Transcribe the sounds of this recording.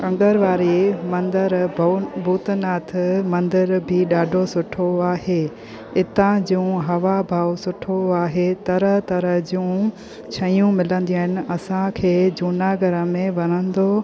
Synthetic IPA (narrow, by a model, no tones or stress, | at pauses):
kɐ̃ŋɡəɾʋaːɾimɐ̃nd̪əɾbʱuːt̪naːt̪ʰmɐ̃nd̪ɪɾbʱiɗaːɖʱosʊʈʰoaːɦeː | ɪt̪ãd͡ʑũːɦɐʋabʱaːʋsʊʈʰoaːɦet̪ɐɾəɦt̪ɐɾəɦd͡ʑũː | t͡ɕʰɐjũmɪlə̃nd̪ĩaːɦɪnɪ̆ɐsãkʰeːd͡ʑuːnaɡəɾə̆mẽʋɐnə̃nd̪o